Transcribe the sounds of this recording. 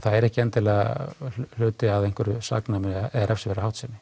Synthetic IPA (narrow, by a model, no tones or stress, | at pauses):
θaðɛɾɛhcɪɛnt̪ɪlɛɣa̰llʏːt̪ɪaðejŋ̥kvɛɾʏsa̰knamnɛðaɾʔɛfsɪvɛɾahawht̪sɛnːɪ